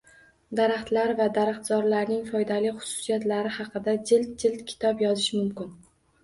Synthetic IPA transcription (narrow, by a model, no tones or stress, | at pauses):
d̪aɾaχt̪laɾvad̪aɾaχt̪zɒɾlaɾnɪŋfɒjd̪alɪjχʊ̥sʊ̥sijat̪laɾɪhɑqɨd̪ad͡ʒɪlt̪̚d͡ʒɪlt̪kʲʰɪ̥t̪ʰɒpjɒzɪʃmʊmkʲɪn